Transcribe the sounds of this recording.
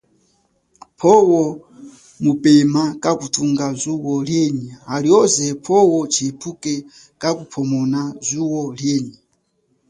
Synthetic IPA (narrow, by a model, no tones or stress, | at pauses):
pʰɔwɔ | mupɛmakakutʰuŋɡazuwɔljenihaliɔzɛpʰɔwɔt͡ʃʰiipʰukɛ | kakupʰɔmɔnazuwɔljɛːni